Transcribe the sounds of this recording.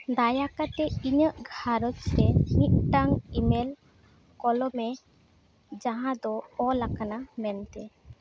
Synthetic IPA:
d̪ajakat̪ɛiɲəʔɡʱaɾɔt͡ʃsɛniʔ̪̚ʈaŋimɛl | kɔlɔmɛ | d͡ʒaɦãd̪ɔɔlakanamɛnt̪ɛ

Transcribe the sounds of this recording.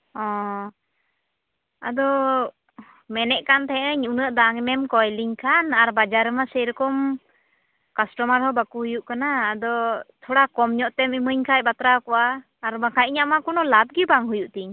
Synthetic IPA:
ɔ̃ | a̰d̪ɔ | mɛnɛʔkant̪ʰɛəɲunəʔd̪aŋmɛmkɔjliɲkʰanaɾbad͡ʒaɾɛmasɛɾɔkɔm | kasʈɔmaɾhɔbakuɦujuʔkanaːd̪ɔt̪ʰɔɽakɔmɲɔʔt̪ɛmiməɲkʰac̚bat̪ɾakɔwaː | ɾbakʰaʔ̚ɲaʔmakɔnɔlat̪̚ɡibaŋɦujuʔt̪iɲ

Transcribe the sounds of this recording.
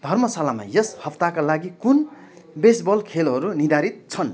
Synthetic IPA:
d̪ʱʌrmʌsalama̰jʌshʌpt̪akalaɡikun | besbʌlkʰelɦʌɾunid̪ʱaɾit̪̚t͡sʰʌn

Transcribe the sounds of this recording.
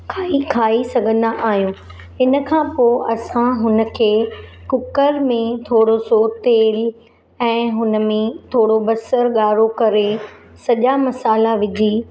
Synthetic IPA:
kʰaːikʰaːisɐɡʱə̃nd̪aʔaːɦijũ | ɦɪnə̆kʰãːpoːʔɐsãɦʊnə̆kʰeːkʊkəɾmẽt̪ʰoːɽosot̪eːl | ɛ̃ːɦʊnə̆mẽt̪ʰoːɽobɐsəɾɠaːɾokɐɾe | sɐʄamɐsaːlaʋɪd͡ʑʱiː

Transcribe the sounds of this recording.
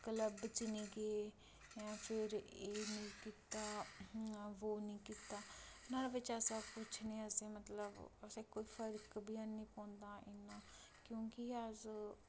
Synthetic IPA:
kələbt͡ʃɪniːɡeː | jãːpʰɪɾeːinĩːkiːt̪aː | ʋoːnĩːkiːt̪aːnaːɾaːʋɪt͡ʃəsakʊt͡ʃʰnĩːəsẽːmət̪ləbəsẽkoːiːpʰəɾkbiːãːnĩːpɔ̃ːnd̪ãːʔɪnːãː | kjõːkɪəz

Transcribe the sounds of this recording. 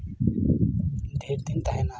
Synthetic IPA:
d̪ʱeːɾd̪int̪aɦenaː

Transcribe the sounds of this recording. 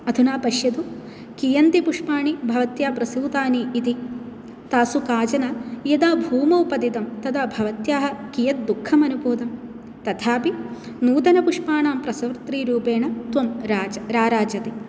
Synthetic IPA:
ɐd̪ʱunaːpɐʃjɐd̪u | kijɐnt̪ipuʂpaːɳibʱɐʋɐt̪jaːpɾɐsiːt̪aːniʔit̪i | t̪aːsukaːd͡ʒɐnajɐd̪aːbʱuːmɐwpɐd̪it̪ɐmt̪ɐt̪ʰaːbʱɐʋɐt̪jaːɦɐkijɐt̪̚d̪ukʰːɐmɐnuboːd̪ɐm | t̪ɐt̪ʰaːpi | nuːd̪ɐnɐpuʂpaːɳaːmpɾɐsɐʋɾt̪ɾiːɾuːpeːɳɐt̪ʋɐmɾaːd͡ʒɐɾaːɾaːd͡ʒɐt̪i

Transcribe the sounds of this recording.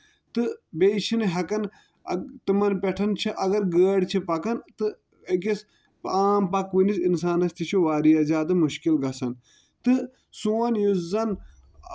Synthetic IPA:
t̪ɨbeʃinɦɐkɐn | t̪ɨmɐnpɛʈʰɐnt͡ʃʰiʔɐɡɐɾɡəːɽt͡ʃʰipɐkɐnt̪ɨ | k̬is | aːmpɐkʋinisinsaːnɐst̪it͡ʃʰuʋaːɾiɐzʲaːd̪ɨmuʃkilɡɐsɐn | t̪ɨ | suːɐnjuzɐn

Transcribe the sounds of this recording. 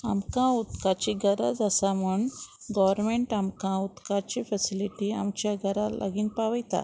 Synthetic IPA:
a̰mkãut̪kat͡ɕiɡʱəɾa̰d͡zasamuɳɡɔʋəɾmeɳʈamkãut̪kat͡ɕifɛsiliʈia̰mt͡ɕjaɡəɾalʔa̰ɡiːnpaʋəjt̪a̰

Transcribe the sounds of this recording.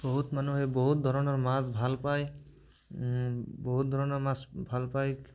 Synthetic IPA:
bɔɦut̪manuɦebɔɦut̪̚d̪ʱɔɾɔnɔɹmasbʱalpaj | bɔɦut̪̚d̪ʱɔɹɔnɔɹmasbʱalpaj

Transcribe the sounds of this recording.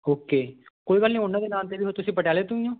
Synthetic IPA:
oːkeːkoːiːɡəlnĩːʊnːãːd̪eːnaːnt̪eːʋiːɦot̪ʊsĩːpəʈjaːleːt̪ʊĩjõː

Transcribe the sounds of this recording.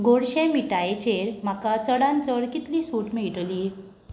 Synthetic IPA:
ɡoɽɕẽmiʈajet͡ɕeɾm̤akat͡səɽant͡səɾkit̪liːsuʈmiʈliː

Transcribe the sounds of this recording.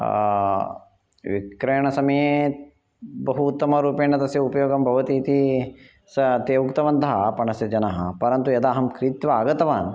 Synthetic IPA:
ʋḭkɾɐjɐɳɐsɐmɐje | bɐɦuːt̪ːɐmɐɾuːpeːɳɐt̪ɐsjɐupɐjoːɡɐmbʱɐʋɐt̪iːt̪i | sɐt̪eːʋukt̪ɐʋɐnt̪ɐɦɐpɐɳɐsjɐd͡ʒɐnɐɦɐpɐɾɐnt̪ujɐd̪aːɦɐmkɾit̪ʋaaːɡɐt̪ɐʋaːn

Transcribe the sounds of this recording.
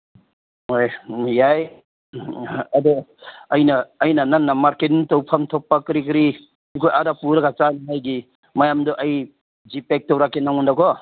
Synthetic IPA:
ojjaj | ɐd̪ɔɐjnaːjnananːamaɾketintowpʰamtʰɔpːakɾikɾi | nikʰojʔaɾapuɾaɡat͡ʃaniajɡi | majamdɔʔɐj | d͡ʒipek̚tɔwɾakːenawundakɔ

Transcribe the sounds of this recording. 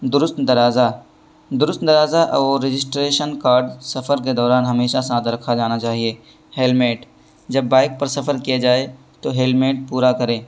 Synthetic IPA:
d̪ʊɾʊst̪d̪ɐɾaːza | d̪ʊɾʊst̪d̪ɐɾaːzaʔɔɾɪd͡ʒɪsʈɾeːʃənkaːɾɖsɐfʰəɾk̬ed̪ɔːɾaːnɦɐmeːʃasãːd̪ɾɐkʰad͡ʒaːnat͡ʃaːɦieː | heːlmeːʈ | d͡ʒɐbːaːɪk̚pɐɾsɐfʰəɾkijad͡ʒaːe | t̪oɦeːlmeːʈ̚puːɾakɐɾẽː

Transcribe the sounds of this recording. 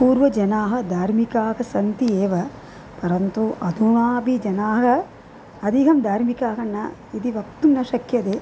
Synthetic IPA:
puːɾʋɐd͡ʒɐnaːɦɐ̆d̪ʱaːɾmikaːɦɐsɐnt̪ieːʋɐ | pɐɾɐnt̪uʔɐd̪ʱuɳaːbid͡ʒɐnaːɦɐ | ɐd̪ʱiɦɐmd̪ʱaːɾmikaːɦɐnːɐ̰id̪iʋɐk̚t̪unnɐʃɐkjɐd̪eː

